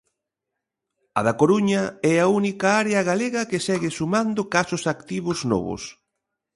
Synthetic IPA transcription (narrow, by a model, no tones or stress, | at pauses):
ɐ̰ðakoɾuɲɐɛaunikaaɾeɐɣaleɣɐkesɛɣɪsumand̪ʊkasʊsakt̪iβʊznɔ̰βʊ̰s